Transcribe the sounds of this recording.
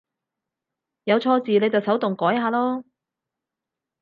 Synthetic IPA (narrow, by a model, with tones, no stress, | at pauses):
jɐ˨˧wt͡sʰɔː˧t͡siː˨ne˨˧jt͡sɐ˨wsɐ˨˥wt̪ʊ˨ŋkɔː˨˥jhaː˧lɔː˥